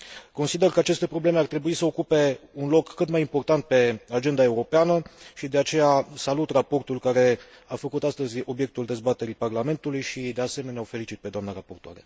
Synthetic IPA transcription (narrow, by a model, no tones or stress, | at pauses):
ko̞nsid̪e̞rkəat͡ʃe̞st̪e̞pɾo̞ble̞me̞art̪ɾe̞buisəokupe̞unlo̞kːɨt̪majimpo̞rt̪ant̪̚pe̞ad͡ʒe̞nd̪ae̞uɾo̞peanəʃid̪e̞at͡ʃe̞jasalut̪rapo̞rt̪ulkaɾe̞ | afəkut̪ast̪əzʲo̞bje̞k̚t̪uld̪e̞zbat̪e̞ɾiparlame̞nt̪ulujʃid̪e̞ase̞me̞neaofe̞lit͡ʃit̪̚pe̞d̪oamnaɾapo̞rt̪oa̰ɾe̞̰